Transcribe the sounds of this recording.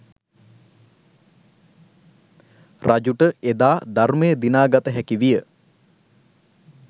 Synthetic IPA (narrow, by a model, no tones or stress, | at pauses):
rʔad͡ʒuʈəed̪aːd̪armejəd̪inaːɡat̪əɦækiʋijə